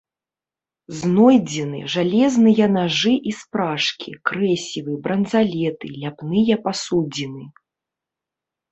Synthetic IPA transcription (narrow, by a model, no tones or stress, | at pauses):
znɔjd͡zʲinɨ̰ʐalʲɛznɨjɐnaʐɨʔispɾaʂkʲḭkɾɛsʲivɨbɾɐnzalʲɛt̪ɨlʲapnɨjɐpasud͡zʲinɨ